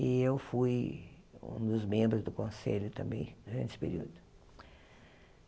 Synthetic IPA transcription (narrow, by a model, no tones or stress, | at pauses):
ɪewfuj | ṵ̃d̪ʊzmẽbɾʊzd̪ʊkõsḛlʲʊt̪ɐ̰̃mbḛ̃j̃d̪uɾɐ̰̃nt͡ʃɪ̥pḛɾḭd̪ʊ